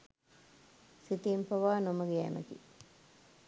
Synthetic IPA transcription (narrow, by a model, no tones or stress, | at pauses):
sit̪impɐʋaːnoməɡeæ̰mə̰kḭ